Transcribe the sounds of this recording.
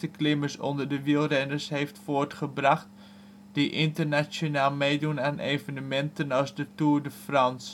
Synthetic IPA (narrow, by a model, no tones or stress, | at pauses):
təklɪməɹsɔ̰ndəɹdəʋilˠrɛndəɹsɦeftfoːɹtχəbrɑχt | diʔɪntəɹnasonaːlˠmejdunaːnʔejvənəmɛntənɑlˠzdətuːɹdəfrɑns